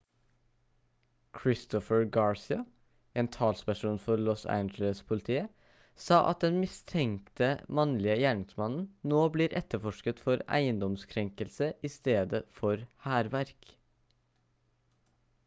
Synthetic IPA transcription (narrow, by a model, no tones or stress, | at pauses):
kʰɹɪst̪ɔfəɹɡɑːɹsɪɑ | eːnt̪ʰɑːlspæʂuːnfɔɾlɔsæ̰nd͡ʒələspʰʊlɪt̪ʰiːə | sɑːʔɑ̰t̪̚d̪ɛnmɪst̪ʰɛŋt̪əmɑnlɪəjæːɳɪŋsmɑnn̩noːbliːɾʔɛt̪ːəfɔʂkət̪fɔɾæ̰ɪənd̪ɔmskʰɾɛŋkəlsəʔɪst̪eːd̪əfɔɾhæːɾʋæɾk